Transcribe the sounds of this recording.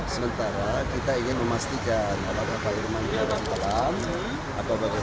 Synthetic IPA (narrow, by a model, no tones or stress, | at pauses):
səmənt̪aɾakit̪aiŋɪnməmast̪ikanapabapairmankabamp̪alam | apawbaɡa